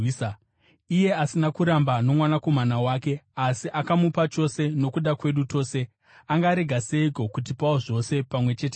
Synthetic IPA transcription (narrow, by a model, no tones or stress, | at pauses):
ije̞asinakuɾambano̞mwanako̞manawaːke̞asiʔakamupat͡ʃo̞se̞no̞kuɗakwe̞ɗuto̞ːse̞ | aŋɡaːɾe̞ɡʱase̞iko̞kut̬ipawoʐo̞se̞pamwe̞t͡ʃe̞te